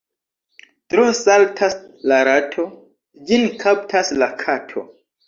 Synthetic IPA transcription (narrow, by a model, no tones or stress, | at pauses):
tɾosaltʰaslaɾatʰo | d͡ʒinkʰaptʰaslakʰatʰo̰